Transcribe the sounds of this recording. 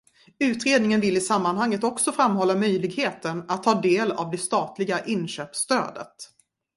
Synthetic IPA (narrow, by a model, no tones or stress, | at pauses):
ʉ̟ːt̪ɾeːd̪nɪŋənvɪlːɪsamːanɦaŋːət̪ɔksɔfɾamːɦɔlːamœjlɪɡheːt̪ənat̪ʰːɑːd̪eːla̰vd̪ɛst̪ɑːt̪lɪɡaʔɪnːɕøːpst̪ø̰ːd̪ə̰t̪